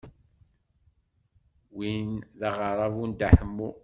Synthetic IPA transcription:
winðɑʁəɾˤɑvund̪aħəmːu

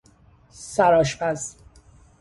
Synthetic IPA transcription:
sæɾɒːʃpæz

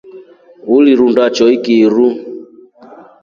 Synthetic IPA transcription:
uliɾundat͡ʃɔikiɾu

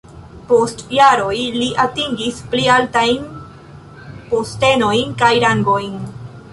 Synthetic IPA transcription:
po̞stjaɾo̞jliʔatiŋɡisplialtajn | poste̞no̞jnkajɾaŋɡo̞jn

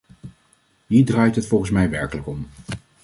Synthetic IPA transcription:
ɦiːɹdrɑːjtɦətfɔlˠχənsmɛjʋɛɹkələkɔm

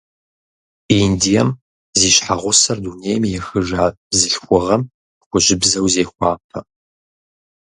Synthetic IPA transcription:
indijɐm | ziːɕħaʁʷʊsɐrduːneːjmjɛxɨʒaː | zɨɬxʷʊʁɐm | xʷʊɕɪbzɐwzeːxʷɑːpʰɐ

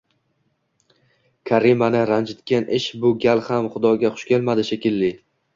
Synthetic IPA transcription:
kʲʰaɾimanɪɾand͡ʒɪt̪kʲʰanʔɪʃbʊɡʲalhamχʊd̪ɒɡʲaχʊ̥ʃkʲe̞lmad̪ɪʃekʲɪlːɪ

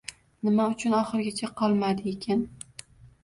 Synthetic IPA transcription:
nɪmaʊt͡ʃʰʊnɒχɨɾɡʲat͡ʃʰaqʰɒlˠmad̪ɪekʲʰan

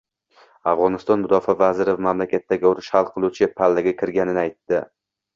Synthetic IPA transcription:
afʁɒnɪst̪ɒnmʊd̪ɒfavazɪɾɪvmamlakʲat̪ːaɡʲɪʊɾɪʃhalˠqʰɨlˠut͡ʃʰɪpʰalːaɡʲakʲʰɪɾɡʲanɪnɪajt̪ːɪ

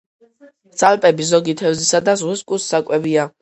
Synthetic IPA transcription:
d̪sʼalpʼɛbizɔɡit̪ʰɛvzisad̪azʁiskʼusːakʼwɛvia

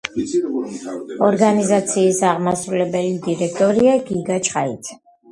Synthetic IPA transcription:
ɔɾɡanizat̪sʰiːsaʁmasɾulɛbɛlid̪iɾɛk̚ʰt̪ʼɔɾiaɡiɡat͡ʃʰʼχaḭt̪ʰ

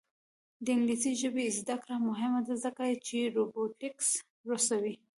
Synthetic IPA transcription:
d̪əɪŋɡlisiʒəbezd̪akɾamʊɦɪmad̪azəkat͡ʃeɾoboʈɪks | ɾosawi

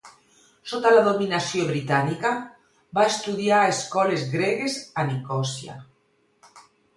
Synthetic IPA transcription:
sot̪alaðominasjoβɾit̪anika | baest̪uðjaɾeskɔlezɣɾeɣesanikɔsja̰

